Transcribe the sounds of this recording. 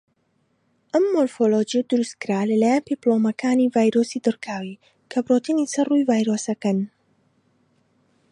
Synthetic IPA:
ʔɐmːoɾfolod͡ʒijɐd̪ʊɾust̪̚kɨɾaːlɐlaːjanpiplomɐkʰaːnivaːjɾosid̪ɨɾkʰaːwi | kʰɐbrot̪inisɐrrujvaːjɾoːsɐkɐn

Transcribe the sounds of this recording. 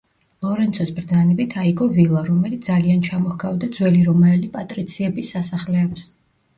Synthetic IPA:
lˠɔɾɛnt̪sʰɔsbɾd̪zanɛbit̪ʰaiɡɔvilˠaɾɔmɛlit̪sd̪aliant͡ʃʰamɔhɡavd̪ad̪zwɛliɾɔmɛlipʼat̪ʼɾit̪sʰiɛbisːasaχlɛːps

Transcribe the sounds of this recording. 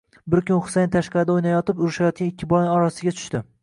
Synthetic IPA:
bɪɾkʲʰʊnχʊ̥sejnt̪ʰaʃqɑɾɪd̪aojnajɒt̪ɪpʊɾɪʃajɒt̪̚kʲanɪkʲʰːɪbɒjnɪɒɾasɪɡʲat̪ʰʊ̥ʃt̪ɪ

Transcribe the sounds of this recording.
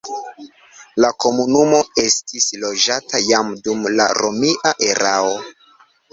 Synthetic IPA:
lako̞munumo̞e̞stislo̞d͡ʒatajamdumla̰ɾo̞miʔaʔe̞ɾʔao

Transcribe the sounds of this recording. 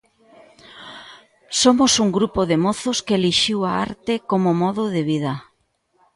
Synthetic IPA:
somosuŋɡɾupoðemoθoskeeːliʃiwaa̰ɾt̪ekomomɔðʊðeβ̞ið̞ɐ

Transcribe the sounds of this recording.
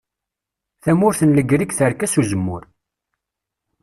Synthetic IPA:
θæmʊɾθənləɡɾikθəɾkæsuzəmːʊɾ

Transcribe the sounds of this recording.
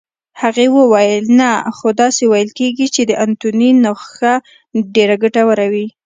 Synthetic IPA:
haɣewəwajəlnaxod̪ɑsewajəlkeɡit͡ʃed̪əʔant̪uninoxa | ɖeɾaɡaʈawaɾawi

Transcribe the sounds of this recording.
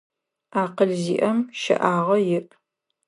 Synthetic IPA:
aːqəɮzḭːʔɐmʃɐ̰ʔaːʁɐjɪʔʼ

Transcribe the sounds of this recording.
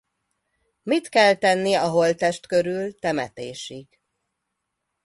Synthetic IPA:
mit̪kɛlt̪ɛnːiɒɦo̞lt̪ɛʃt̪køɾylt̪ɛmɛt̪eːʃik

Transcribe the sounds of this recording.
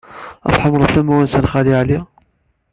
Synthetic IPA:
æ̰fħəmːɾˤəθæmæwænsænχæliʕli

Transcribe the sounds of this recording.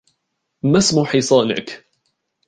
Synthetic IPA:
masmuħiːsˤɑːna̰k

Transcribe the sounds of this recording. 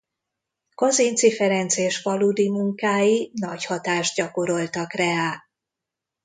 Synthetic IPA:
kozint̪sifɛɾɛnt̪seːʃʋɒluːd̪imuŋkaːjinɒchɒt̪aːʒd̪̚ɟɒko̞ɾo̞lt̪ɒkrɛaː

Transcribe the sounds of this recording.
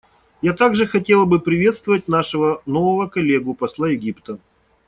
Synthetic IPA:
jat̪aɡʐɨxɐtʲelˠəbɨpɾʲɪvʲe̞t̪st̪vəvət̚ʲnaʂɨvənovəvəkɐlʲe̞ɡʊpɐslˠajɪɡʲipt̪ə

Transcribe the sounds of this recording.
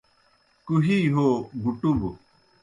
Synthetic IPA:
kuɦiːɦoːɡuʈub

